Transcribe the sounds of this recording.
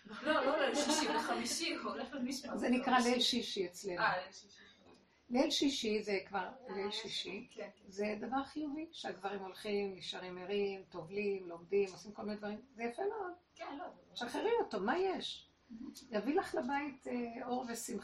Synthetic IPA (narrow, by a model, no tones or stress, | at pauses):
looeʃamiʃi | zenikʁalelʃiʃiet͡slenu | lelʃiʃizekvaʁnelʃiʃize̞d̪avaʁχijuviʃeaɡvaʁimo̞lχimjiʃaʁimeʁimt̪o̞vlimlo̞mdimosimkolminedvaʁimzejafemeod | ʃeaχeʁimotomajeʃ | javilaχlabait̪ʰeo̞ʁvesim